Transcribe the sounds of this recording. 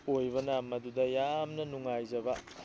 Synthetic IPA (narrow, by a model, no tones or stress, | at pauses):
ojbɐnamːɐdudɐjamnɐnuŋajzɐbɐ